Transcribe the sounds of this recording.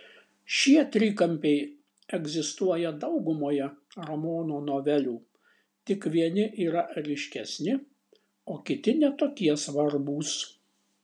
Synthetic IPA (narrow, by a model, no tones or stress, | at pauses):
ʃʲiɛt̪ʲɾʲiːkɐmʲpʲɛɪ | ɛɡzʲɪst̪uɔjɛd̪ɒʊɡʊmoːjɛɾɐmoːnuːnoːʋʲɛlʲuː | t̪ʲɪkʋʲiɛnʲɪʔiːɾɐʔɾʲɪʃʲkʲɛsʲnʲɪ | oːkʲɪt̪ʲɪnʲɛt̪oːkʲiɛsʋɐɾbuːs